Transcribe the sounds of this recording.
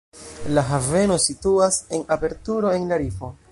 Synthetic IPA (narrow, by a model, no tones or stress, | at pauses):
laɦave̞no̞situase̞nape̞ɾtuɾo̞e̞nlaɾifo̞